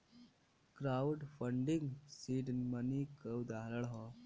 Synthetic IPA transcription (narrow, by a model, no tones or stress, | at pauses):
kɾawɖfəɳɖiŋɡsiɖnmənikəwd̪aɦləɭɦɔ